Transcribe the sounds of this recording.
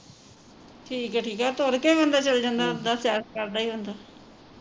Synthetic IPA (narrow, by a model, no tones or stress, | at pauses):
ʈʰiːkɛːʈʰiːkaːt̪oːɾkẽʋə̃nd̪aːt͡ʃəld͡ʒãːnd̪aːd̪aːsjaːɾkaɾɖaːiːɦõnd̪aː